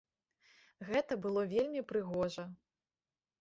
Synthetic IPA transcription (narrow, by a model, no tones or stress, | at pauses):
ɣɛt̪ɐbɨlˠɔvʲelʲmʲipɾɨɣɔʐɐ